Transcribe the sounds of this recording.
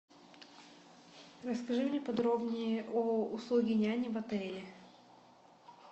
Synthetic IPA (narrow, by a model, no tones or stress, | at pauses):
rəskɐʐɨmnʲepɐd̪ɾobnʲɪjəʔoʊslˠuɡʲɪnʲanʲɪvɐt̪ɛlʲɪ